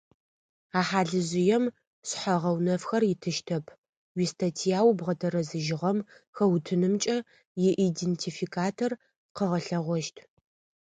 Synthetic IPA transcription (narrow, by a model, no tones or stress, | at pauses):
aːħaːɮɨʑɪjɛm | ɕħɐʁɐwnɐfxɐrjɪtʰɨʃtʰɐpʰ | wistʰɐtʰijaːwbʁɐtʰɐɾɐzɨʒɪʁɐmxɐwtʰɨnɨmt͡ʃʼɐ | jɪʔidentʰifikʰaːtʰor | qəʁɐɬɐʁʷɔʃtʰ